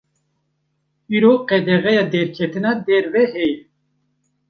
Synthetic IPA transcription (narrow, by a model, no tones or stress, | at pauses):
iɾoːqɛd̪ɛɣɛjɑd̪ɛɾkʲʰɛt̪ɨnɑd̪ɛɾvɛhɛj